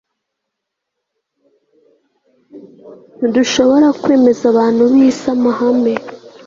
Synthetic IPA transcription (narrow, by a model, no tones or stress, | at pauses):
duʃo̞βo̞ɾakwe̞ːme̞zaβaːn̥huβisamahame